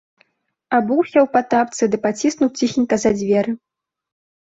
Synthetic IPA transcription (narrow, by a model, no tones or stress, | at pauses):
abuwsʲɛwpat̪ap̚t̪sɨd̪ɨpat͡sʲisnuwt͡sʲixʲinʲkɐzad͡zʲvʲɛɾɨ